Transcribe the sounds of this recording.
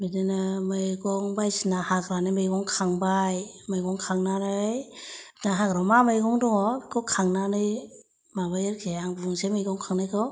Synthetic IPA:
bidenamɯjɡɔŋbajsinahakɾanɯjmɯjɡɔŋkʰaŋbajmɯjɡɔŋkʰaŋnanɯj | naɦakɾamamɯjɡɔŋdɔŋɔɡɔkʰaŋnanɯj | mabajɯɾkʰejaŋbuŋsemɯjɡɔŋkʰaŋnajkʰaw

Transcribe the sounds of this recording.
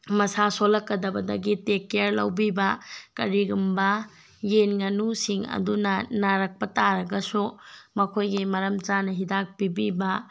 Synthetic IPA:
mɐsasolɐkːɐdɐbɐdɐɡitekːeɾlɐ̰wbibɐkɐɾiɡumbɐ | jenŋɐnusiŋɐ̰dunɐnaɾɐk̚pɐtaɾɐɡɐsumɐkʰojɡimɐɾɐmt͡ʃanɐɦidak̚pibibɐ

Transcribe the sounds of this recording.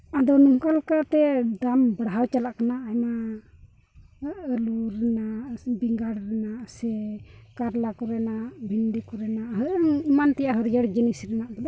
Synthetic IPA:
ad̪ɔnumkalkat̪ɛd̪ambəɽɦawt͡ʃalaʔkanaːjma | əluɾɛnaʔbiŋɡaɽɾɛnaʔsɛkaɾlakɔɾɛnaʔbʱindikɔɾɛnaʔɦəʔŋimant̪ɛjaɦəɾjəɽd͡ʒənisɾɛnaʔbɛla

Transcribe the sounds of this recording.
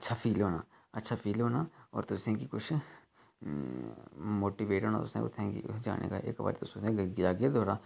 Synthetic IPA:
tːʃʰapʰiːlɦoːna̰ː | ɐtːʃʰapʰiːlɦoːnaɔ̰ːɾt̪ʊsẽkikʊt͡ʃʰ | moːʈiːʋeːʈɦoːna̰d̪o̰sḛ̃ʊ̰t̪ʰɛ̃kḭd͡ʒa̰ːnḛːkaʔḛːkʋa̰ːɾit̪oːsoʊt̪ẽɡɡd͡ʒaːɡjad̪ʱoːɾaː

